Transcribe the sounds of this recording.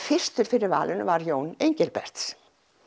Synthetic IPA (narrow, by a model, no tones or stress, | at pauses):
fɪr̥st̪ʏɾ̥fɪɾɪɾva̰ːlʔɪnʏvaɾjoːwnejɲcɛlpɛ̰r̥t̪s